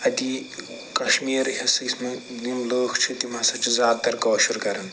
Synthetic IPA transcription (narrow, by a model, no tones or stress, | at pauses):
ɐd̪i | kɐʃmiːɾɦesismɐnimloːkʰt͡ʃʰit̪imɐsɐt͡ʃʰizʲjaːd̪t̪ɐɾkɔːʃuɾkɐɾɐn